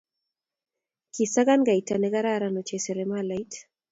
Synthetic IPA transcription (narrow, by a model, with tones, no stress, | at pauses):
ki˨sa˦ɡa˦nɡa˨i˨ta˨nɛ˦ɡa˦ɾa˦ɾa˨no˨t͡ʃe˨se˨ɾɛmala˨i˦t